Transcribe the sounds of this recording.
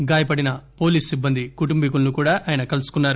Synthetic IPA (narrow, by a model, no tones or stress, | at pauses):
ɡaːjɐpɐɽinɐpo̞ːliːsibːɐnd̪ikuʈumbik̬ulnukuːɽaːʔaːjɐnɐkɐlusu̥kunːaːɾu